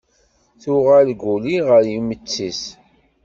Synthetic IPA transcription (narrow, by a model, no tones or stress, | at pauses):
θuʁalɡuliʁəɾjimət͡sːis